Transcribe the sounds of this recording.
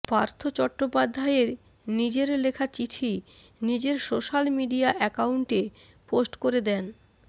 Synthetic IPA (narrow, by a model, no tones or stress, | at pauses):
paɾt̪ʰot͡ɕɔʈːopad̪ʱːaeɾ | nid͡ʑeɾlekʰat͡ɕiʈʰi | nid͡ʑeɾsoʃalmiɖiaʔɛkauɳʈe | posʈkoɾed̪ɛn